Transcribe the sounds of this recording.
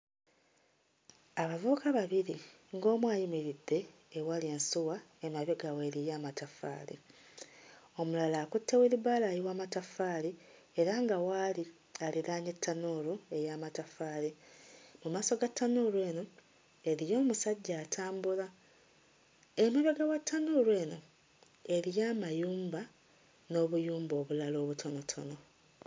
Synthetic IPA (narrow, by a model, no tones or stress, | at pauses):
aβavuβukaβaβiɾi | ŋɡo̞ːmwaːjimeɾidːe̞ː | walieːnsuwaemaβeɡaweɾijamatafa̰ːlḭ | o̞mulalaːkutːeweliβaːlaːjiwaːmatafaːli | eɾaŋɡawaːli | aliɾaːɲetʰːanolue̞jaːmatafaːlimumaːso̞ɡatːanoːɾwe̞ːno̞ | e̞ɾijo̞ːmusaɟːaːtʰaːmbula | emeβeɡawatʰːanoːɾwe̞ːno̞ | e̞ɾijaːmajuːmba | no̞βujuːmbo̞ːβulalo̞ːβutʰo̞no̞tʰo̞̰no̞